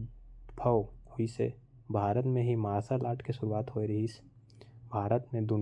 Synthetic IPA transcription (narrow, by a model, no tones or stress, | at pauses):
bʱəwhoisḛ | bʱaːɾət̪mẽɦimaːsalaːʈʰkesʊɾuaːt̪ɦoeɾɐɦis | bʱaːɾət̪mẽd̪ʊn